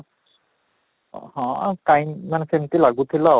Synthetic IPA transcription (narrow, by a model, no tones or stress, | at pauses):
hɔ̃kajnmanɛsentilaɡut̪ʰila